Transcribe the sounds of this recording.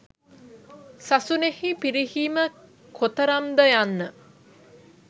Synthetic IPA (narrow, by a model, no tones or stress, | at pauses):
sasunehipiɾihiːmə | kʰot̪əɾamd̪əjanːə